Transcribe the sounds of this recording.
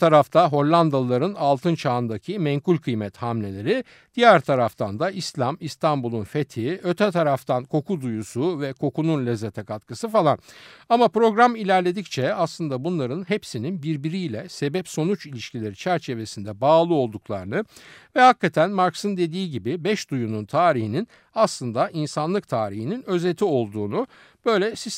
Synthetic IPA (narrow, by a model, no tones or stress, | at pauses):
t̪ʰaɾaft̪ʰaɦo̞ɾlʲˠand̪alˠaɾɯnalˠt̪ʰɯnt͡ʃʰaːɯnd̪acʰimɛŋkulʲkʰɯjmɛt̪hamlʲe̞lʲe̞ɾi | d̪̥ijæɾt̪ʰaɾaft̪ʰand̪aislʲamist̪ʰambulˠunfe̞t̪ʰiøt̪ʰɛt̪ʰaɾaft̪ʰankʰo̞kʰud̪ujusuvɛkʰo̞kununlʲezːet̪ʰɛkat̪kɯsɯfalˠanamapɾo̞ɡɾamilʲæɾlʲe̞d̪ict͡ʃʰɛaslˠɯnd̪abunlˠaɾɯnɦepsininbiɾbiɾijlʲɛse̞bɛpso̞nut͡ʃilʲiʃcilʲe̞ɾit͡ʃʰæɾt͡ʃʰe̞ve̞sind̪ɛbaːlˠɯo̞lˠd̪uklˠa̰ɾɯnɯvɛhakːat̪ʰænmaɾksɯnd̪e̞d̪iːɟibibɛʃd̪ujununt̪ʰaːɾihinin | aslˠɯnd̪aʔinsanlˠɯk̚t̪ʰaːɾihininø̞zet̪ʰio̞lˠd̪uːnu | b̥ø̞jlʲɛsis